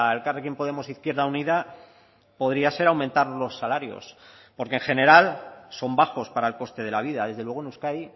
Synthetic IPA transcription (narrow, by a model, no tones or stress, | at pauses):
elkarekjempo̞ð̞e̞mo̞siθkje̞ɾðauniða | po̞ð̞ɾiase̞ɾawmẽnt̪aɾlo̞sːalaɾjo̞̰s | po̞ɾkeŋxe̞ne̞ɾalso̞mbaxo̞spaɾaelko̞st̪e̞ð̞e̞laβ̞iðaðe̞zðe̞lwe̞ɣ̞oenuskaj